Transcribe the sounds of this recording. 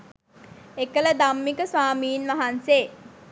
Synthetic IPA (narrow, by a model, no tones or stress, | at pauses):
ekələd̪amːikəsʋaːmiːnʋaɦanseː